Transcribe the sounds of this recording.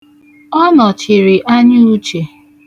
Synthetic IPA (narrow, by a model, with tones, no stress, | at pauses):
ɔ˦nɔ˨t͡ʃɪ˨ɾɪ˨ʔa˦ɲu˦u˦t͡ʃe˨